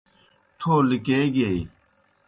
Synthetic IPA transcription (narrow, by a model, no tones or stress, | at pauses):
t̪ʰoːlikeɡei